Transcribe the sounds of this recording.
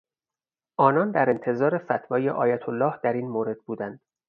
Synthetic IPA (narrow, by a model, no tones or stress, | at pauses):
ʔɒːnɒːnd̪æɾe̞nt̪ʰe̞zɒːɾe̞fæt̪ʰvɒːjeʔɒːjæt̪ʰolːɒːhd̪̥æɾiːnmoːɾe̞d̪̚buːd̪ænd̪̥